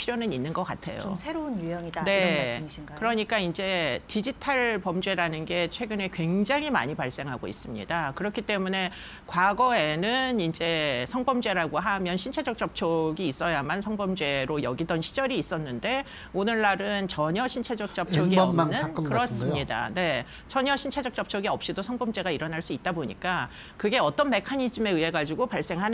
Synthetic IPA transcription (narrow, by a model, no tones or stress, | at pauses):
pʰiɾjonɯninːɯnɡʌk͈a̰tʰe̞̰jo̰sʰeɾounjujʌŋine̞asmiikɯɾʌɲik͈aind͡ʑe̞tid͡ʑitʰaɭpʌmd͡ʑwe̞ɾanɯnɡe̞t͡ɕʰwe̞ɡɯne̞kwe̞ŋd͡ʑaŋɦima̰ɲipaɭs͈e̞ŋɦaɡo̰ḭs͈ɯmɲḭdakɯɾʌkʰit͈e̞mune̞ | kwaɡʌe̞nɯnind͡ʑe̞sʰʌŋbʌmd͡ʑe̞ɾaɡoɦamjʌnɕʰint͡ɕʰe̞d͡ʑʌk̚t͡ɕ͈ʌp̚t͡ɕʰoɡiːs͈ʌjamansʰʌŋbʌmd͡ʑe̞ɾojʌɡidʌnɕʰid͡ʑʌɾiːs͈ʌnːɯnde̞ | onɯɭːaɾɯnt͡ɕʌɲʌɕʰint͡ɕʰed͡ʑʌk̚t͡ɕ͈ʌp̚t͡ɕʰoɡiʌnɯnkɯɾʌss͈ɯmɲida̰ne̞ | t͡ɕʌɲʌɕʰint͡ɕʰe̞d͡ʑʌk̚t͡ɕ͈ʌp̚t͡ɕʰoɡiʌp̚ɕ͈idosʰʌŋbʌmd͡ʑe̞ɡaiɾʌnɦaɭs͈uit̚t͈aboɲḭk͈a | kɯɡe̞ʌt͈ʌnme̞kʰaɲid͡ʑime̞ɯe̞ɡad͡ʑiɡopaɭs͈e̞ŋɦan